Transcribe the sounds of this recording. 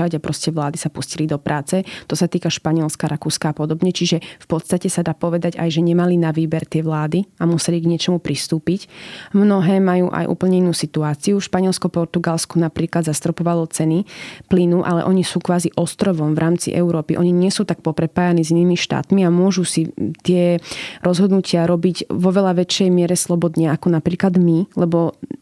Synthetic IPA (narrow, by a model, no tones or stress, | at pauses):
aɟapɾɔscɛʋlaːd̪isapuscilid̪ɔpɾʔaːt͡sɛt̪ɔsat̪iːkaʃpaɲiɛlskaɾʔakuːskaːpɔd̪ɔbɲɛt͡ʃiʒɛfpɔt̪st̪acɛsad̪aːpɔʋɛd̪aɟa̰jʒɛɲɛmalinaʋiːbɛɾt̪ɪɛʋlaːd̪iamusɛliɡɲɪɛt͡ʃɔmupɾist̪uːpicmnɔɦɛːmajṵːʔa̰jʔṵːpl̩ɲɛinːuːsit̪uaːt͡siuʃpaɲɛlskɔpɔɾt̪uɡalskɔnapɾiːklad̪zast̪ɾɔpɔʋalɔt͡sɛniplinuʔalɛ̰ʔɔɲisuːkʋaːziʔɔst̪ɾɔʋɔmvɾaːmt͡sḭʔɛ̰ʊɾɔːpḭʔɔɲiɲɪɛsuːt̪ak̚pɔpɾɛpaːjanɛːziniːmiʃt̪a̰ːt̪miamʊɔʒusit̪ɪɛɾɔzɦɔd̪nucɪaɾɔbiɟʋɔʋɛʎaʋɛt͡ʃɛjmɪɛɾɛslˠɔbɔd̪ɲɛakɔnapɾiːklad̪milɛbɔ